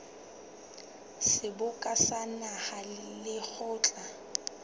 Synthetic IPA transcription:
sɪbʊkʼasanahalɪk͡xʰʊːt͡ɬʼa

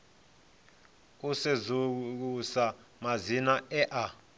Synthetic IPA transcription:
usezuk̬usamazinaɛʔa

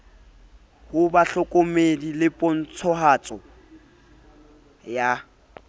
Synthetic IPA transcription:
hʊbaɬɔkʼomedilɪpʼɔn̩t͡sʰɔɦat͡sʼɔ | ja

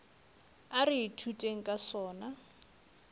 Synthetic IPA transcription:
ariitʰutʼeŋ̩kʼasɔːna

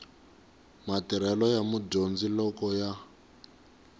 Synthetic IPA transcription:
matiɾɛlɔjamudond͡zilɔkɔja

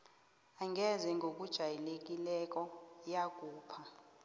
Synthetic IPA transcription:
aŋʱɛzɛŋɡʱok̬ʼud̥ʒ̥ʱajilek̬ʼilɛk̬ʼɔjak̬ʼuːpʰa

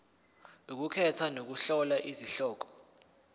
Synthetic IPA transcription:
uk̬ukʰɛtʰwanok̬uɬɔlaʔiziɬɔːk̬ɔ̥

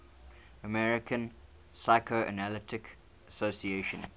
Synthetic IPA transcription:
əmɛɹɪkə̃n | saɪkʰoʔə̰nalɪtɪk | əsosieʃə̃n

